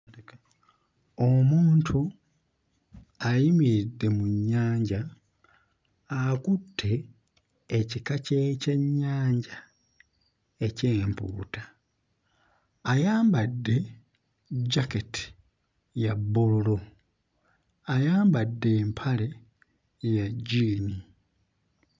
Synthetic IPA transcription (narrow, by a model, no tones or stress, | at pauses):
omuːntʰu | ajimiɾidːe̞muɲːaːɲɟa | akutʰːe̞ː | cikaceːce̞ɲːaːɲɟa | e̞ceːmpṵːtḁ | jaːmbadːe̞ | ɟaketi̥ | jabːolulo | ajaːmbadːe̞ːmpʰale̞ | jaɟiːni